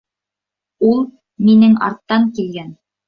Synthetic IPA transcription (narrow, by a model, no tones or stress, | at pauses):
ulˠ | minɘŋɑ̰ɾt̪ːɑŋkilɡæn